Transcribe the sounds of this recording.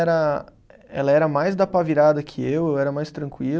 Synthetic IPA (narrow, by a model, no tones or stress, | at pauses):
ɛɾɐ | ɛ̰lɐɛɾɐmajzd̪ɐpaviɾad̪ɐkʰɪewewɛɾɐmajst̪ɾɐ̃ŋkwil